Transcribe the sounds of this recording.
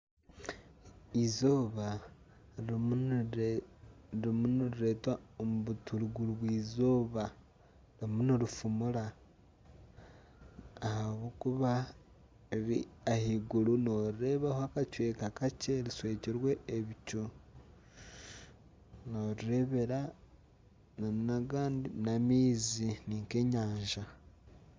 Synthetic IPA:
izoːβa | ɾimunuɾiɾe̞twaomuβutuluɡuluβwiːzoːβa | ɾimuniɾufumula | haβukuβa | eβiahiɡuluno̞ɾiɾe̞βahoakat͡ʃwe̞ːkakaceɾiswe̞ːciɾwe̞ːβicu | noːɾiɾe̞βe̞ɾa | nanaɡaːndinamiːziniːŋke̞ɲaːɲʒa

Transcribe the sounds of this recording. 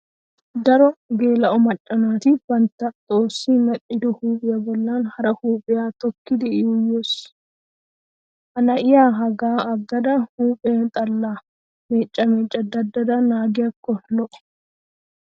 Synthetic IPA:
d̪ɐɾɔɡeːlɐʔɔmɐt͡ʃʼːɐnaːt̪ibɐnt̪ːɐt̪ʼoːsːiːmɐᶑʼɪd̪ɔhuːpʼɪjɐbɔlːaːnhɐɾɐhuːpʼɪjaːt̪ɔkːɪd̪ɛɪjʊjːoːs | ʔɐnɐʔɪjaːɦɐɡaːɐɡːɐd̪ɐhuːpʼeːnt̪ʼɐlːaː | meːt͡ʃʼːɐmeːt͡ʃʼːɐd̪ɐd̪ːɐd̪ɐnaːɡɪjɐkːɔlɔʔʊ̥

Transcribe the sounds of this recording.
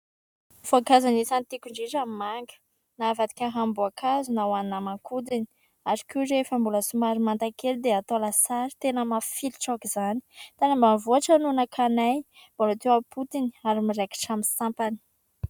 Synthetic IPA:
foakazanisant̪ikuɳɖ͡ʐiʈ͡ʂamimaŋɡə̥ | navad̪i̥kʲaɦambuakʰazunawaninamaŋkʰud̪ini̥ | aɾikiɾefambuləsumaɾimant̪akeld̪eat̪olasaɾi̥t̪enəmafilʈ͡ʂokizani̥t̪anambamivuaʈ͡ʂanunakʰanajbolot̪ewapʰut̪ini̥aɾimiɾeki̥ʈ͡ʂaminsampani̥

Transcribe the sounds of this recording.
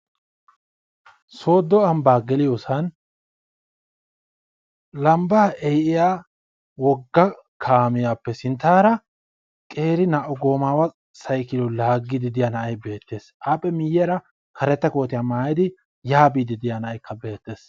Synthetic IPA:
so̞ːd̪ːɔɐmbaːɡɛlɪjoːsɐn | lɐmbaːʔɛjʔɪjaː | wɔɡːɐ | kʰaːmɪjaːpːɛsɪnt̪ːaːɾɐ | kʼe̞ːɾɪnɐʔɔɡo̞ːmaːwɐ | sɐjkɪlɔlaːɡːɪd̪ɪd̪ɪjanɐʔɐjbe̞ːt̪ːe̞ːsʔaːpʼːɛmɪjːɛɾɐ | kʰɐɾɛt̪ːɐko̞ːt̪ɪjamaːjɪd̪ɪ | jaːbiːd̪ɪd̪ɪjanɐʔɐjkːɐbe̞ːt̪ːe̞ːs

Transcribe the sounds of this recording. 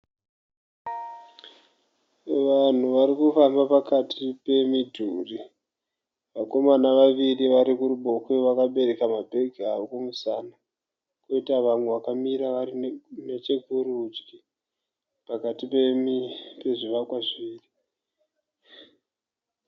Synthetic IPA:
ʋan̤uʋaɾikufambapakatʰipe̞midʱuːri | ʋako̞manaʋaʋiriʋaɾikuɾuɓo̞kweʋakaɓe̞ɾe̞kamabʱe̞ɡʱiaʋokomusana | koitaʋamwe̞ʋakamiɾaʋarine̞t͡ʃekuɾud͡ʒɡi | pakatipemipe̞ʐiʋakwaʐiːri

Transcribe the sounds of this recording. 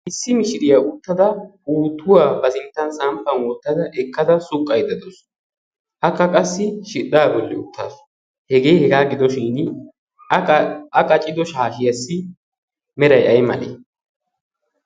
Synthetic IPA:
ʔɪsːɪmɪʃɪɾɪjaʊt̪ːɐd̪ɐuːt̪ːʊwaːbɐsɪnt̪ːɐnsɐmpːɐnwɔt̪ːɐd̪ɐʔɛkːɐd̪ɐsʊkʼːɐjd̪ɐd̪ɔs | ʔɐkːɐkʼɐsːɪʃɪɗːaːbɔlːɛʊt̪ːaːs | hɛɡe̞ːhɛɡaːɡɪd̪ɔʃin | ɐkʼɐt͡ʃʼːɪd̪ɔʃaːʃɪjɐsːɪ | mɛɾɐjɐjmɐ̰lḛː

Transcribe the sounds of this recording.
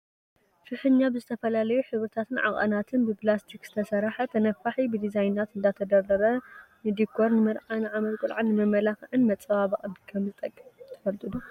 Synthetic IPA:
ʃɨħɨɲːabɨzɨt̪ʰɐfɐlalɐjuħɨβɾɨt̪ʰat̪ʰɨnʕa̰χʼɐ̰nat̪ʰɨnbɨplast̪ʰikz̥ɨ̥t̪ʰɐsɐɾaħɐt̪ʰɐnɐfaħibɨd̪izajnːat̪ɨnd̪at̪ʰɐd̪ɐɾɐɾɐ | nɨd̪ikʰːoɾnɨmɨɾʕanʕamɐt̪ʼkʼulʕanːɨmɐmːɐlaxʕɨnmɐt͡sʼɐβaβχʼɐbikʰɐmzɨt̪ʼɐkʼːt̪ʰɐ̥fɐlt̪ʰʼɨd̪u

